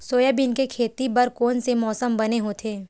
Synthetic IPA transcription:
soːjabɪnkekʰeːt̪ibɐɾkoːnsemɔːsəmbɐneɦoːt̪ʰeː

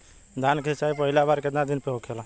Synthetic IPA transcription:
d̪ʱankʰisaipəɦɪlabaɾked̪ãd̪ɪnpeɦokʰela

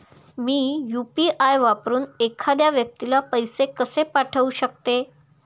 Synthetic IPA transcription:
miːjupiʔajʋapɾuːnekʰad̪jaʋjək̚t̪ilapəjsekəsepaʈʰəuɕək̚t̪e

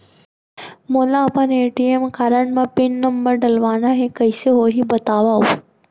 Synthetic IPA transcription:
moːlaːpãneːʈiemkaːɾəɳmãpɪnːəmbəɾɖɐlʋaːnaɦẽkɐɪseɦoːɦibɐt̪aːʋao

